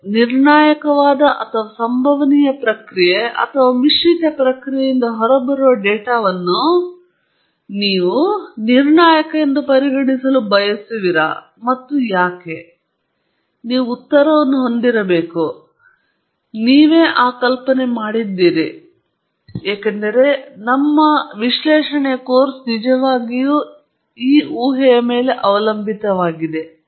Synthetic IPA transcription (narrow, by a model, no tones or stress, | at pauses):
niɾɳaːjɐkɐʋaːd̪ɐʔɐt̪ʰɐʋɐsɐmbʱɐʋɐnijɐpɾɐkɾijeʔɐ̰t̪ʰɐʋaːmiʂʋit̪ɐpɾɐkɾijejind̪ɐɦɔɾɐbɐɾuʋɐɖɛːʈaːʋɐnːu | niːʋuniɾɳaːjɐkɐend̪ɐpɐɾiɡɐɳisɐlubʱɐjɐsiʋiɾɐ̰ | mɐt̪ːujaːke̞ | niːʋuːt̪ːɐɾɐʋɐnːuɦo̞nd̪iɾɐbe̞ːku | niːʋe̞ːʔaːkɐlpɐne̞maːɽid̪ːiːɾi | ɛːkɐnd̪ɐɾe̞nɐmːɐʋiʃlɛːʂɐɳekoːɾsnid͡ʒɐʋaːɡiju | iːuːɦɛjɐme̞ːle̞ʔɐʋɐlɐmbʱit̪ɐʋaːɡid̪e̞